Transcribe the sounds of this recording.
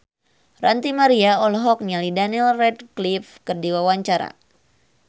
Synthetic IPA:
rant̪imaɾiaɔlɔɦɔk̚nialidaniɛlrɛdklifkɨrdiwawaɲt͡ʃaɾa̰

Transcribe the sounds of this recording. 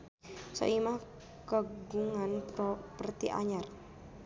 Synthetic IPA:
sɔ̰ʔimah | kəɡuŋanpɾɔpərt̪iʔa̰ɲar

